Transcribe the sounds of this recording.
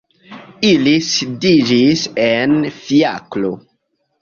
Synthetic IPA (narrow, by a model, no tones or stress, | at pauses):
ilisidid͡ʒisenfia̰klo̰